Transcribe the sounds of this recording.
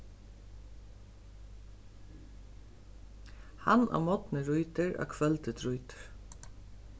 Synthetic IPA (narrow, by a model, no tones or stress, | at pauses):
ha̰nʔa̰mɔt̪nɪɾujt̪ɪɹa̰kʰvɛlt̪ɪt̪ʰɾʊjt̪ɪ̥ɹ̥